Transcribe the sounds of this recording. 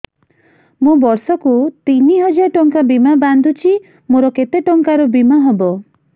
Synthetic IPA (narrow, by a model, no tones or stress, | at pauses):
mũbɔɾsɔkut̪iniɦɔd͡ʒaʈɔŋkabimaband̪ʱut͡ʃʰi | moɾɔket̪eʈɔŋkaɾɔbimaɦɔbɔ